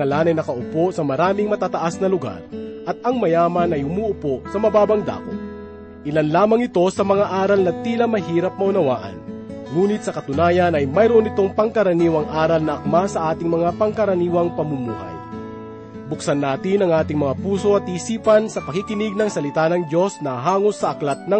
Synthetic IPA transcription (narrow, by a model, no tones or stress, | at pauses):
ɐlanɐjnɐkɐʔʊpo̞sɐmɐɾaːmɪŋmɐt̪aːt̪ɐʔasnɐlʊɡa̰ɾʔɐt̪̚ɐŋmɐjaːmɐnɐjhʊmuːʊposɐmɐbaːbɐŋd̪a̰ːko̰t̪̚ | ʔɪlanlaːmɐŋɪt̪o̞sɐmɐŋaʔaːɾɐlnɐt̪iːlɐmɐɦiːɾɐp̚mɐʊnɐwa̰ːʔɐ̰nŋuːnɪt̪̚sɐkɐt̪ʊnaːjɐnɐjmɐjɾonɪt̪o̞ŋpɐŋkɐɾɐniːwɐŋʔaːɾɐlnɐʔɐk̚masɐʔaːt̪ɪŋmɐŋapɐŋkɐɾɐniːwɐŋpɐmumuːɦɐ̰j | bʊksɐnːaːt̪ɪnɐŋʔaːt̪ɪŋmɐŋapuːso̞ɐt̪̚iːsiːpɐnsɐpɐkikɪnɪɡ̚nɐŋsɐlɪt̪anɐŋd̪jo̞snɐaɦaːŋosːɐʔɐklat̪̚nɐ